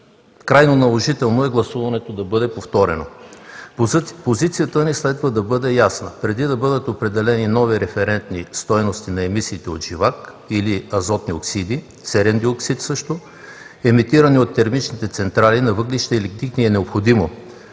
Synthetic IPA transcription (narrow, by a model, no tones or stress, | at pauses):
kɾajnonɐlˠoʒit̪ɛlˠnoɛɡlˠɐsuvɐnɛt̪od̪ɐbɤd̪ɛpoft̪ɔɾɛno̰ | pozit̪sijət̪ənislɛd̪vɐd̪ɐbɤd̪ɛjasnəpɾɛd̪id̪ɐbɤd̪ət̪opɾɛd̪ɛlɛninɔviɾɛfɛɾɛnt̪nist̪ɔjnost̪inɐɛmisiːt̪ɛot̪ʒ̥ivak | iliɐzɔt̪nioksid̪i | t̪sɛɾɛnd̪ioksit̪sɤʃt̪o | ɛmit̪iɾɐniot̪ːɛɾmit͡ʃnit̪ɛt̪sɛnt̪ɾalinɐvɤɡliʃt̪ɛilikt̪ikniɛnɛopxod̪imo